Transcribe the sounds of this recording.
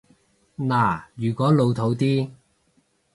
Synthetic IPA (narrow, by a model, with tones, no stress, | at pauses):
naː˨˩jyː˨˩kʷɔː˨˥lo˨˧wt̪ʰo˨˥wt̪iː˥